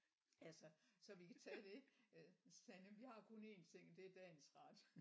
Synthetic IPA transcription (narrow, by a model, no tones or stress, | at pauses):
ælsəsɒ̽ʋikʰæt͡sʰɛːd̥e̝ | sænəʋihɑ̈kʰo̽ne̝ːnt͡sʰe̝ŋ̰d̥e̝æd̥ɛnsʁɑd̥